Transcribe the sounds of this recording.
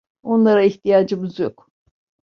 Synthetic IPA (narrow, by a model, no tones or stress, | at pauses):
o̞nlˠaɾaiçt̪ʰijaːd͡ʒɯmɯzjo̞k